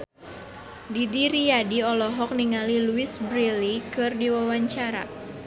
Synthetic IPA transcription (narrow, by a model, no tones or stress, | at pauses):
didiɾijadiɔlɔɦɔk̚niŋaliluisbɾilikɨrdiwawaɲt͡ʃaɾa̰